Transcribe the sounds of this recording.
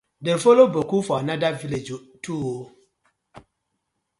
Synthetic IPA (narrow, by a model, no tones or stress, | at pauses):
dɛfolobokufɔanãdaviled͡ʒotʰuwo